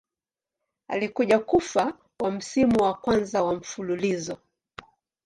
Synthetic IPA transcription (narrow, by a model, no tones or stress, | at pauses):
a̰likuʄakufa | wam̩simuwakwanzawam̩fululizɔ